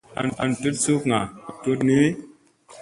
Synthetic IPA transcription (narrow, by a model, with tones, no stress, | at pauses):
a̰˨na̰˨ntu˦tsu˦kŋa˨to˦tne˦